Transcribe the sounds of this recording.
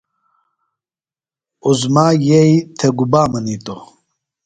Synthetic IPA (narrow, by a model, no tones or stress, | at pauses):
uzmaːjɛjit̪ʰɛɡubaːmənit̪ʼo